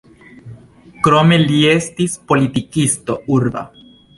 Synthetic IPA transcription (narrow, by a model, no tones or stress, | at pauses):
kɾomeljest̪ispolit̪ikist̪ouɾba̰